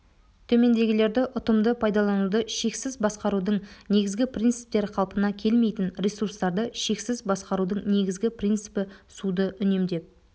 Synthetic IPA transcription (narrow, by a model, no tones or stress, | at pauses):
t̪ʰɵme̞nd̪e̞ɡʲɪle̞ɾd̪ɪʔʊt̪əmd̪əpʰɑjd̪ɑlˠɑnud̪əʃe̞ksɪzbɑsqɑɾud̪əɴne̞ɡʲɪzɡʲɪprʲint̪sɨ̥p̚t̪e̞ɾqʰɑlˠpənɑkʲʰe̞lme̞jt̪ɪnɾʲesurst̪ɑɾd̪əʃe̞ksɪzbɑsqɑɾud̪əɴne̞ɡʲɪzɡʲɪprʲijnt̪sɨ̥pɪsud̪əʔʏne̞md̪e̞p̚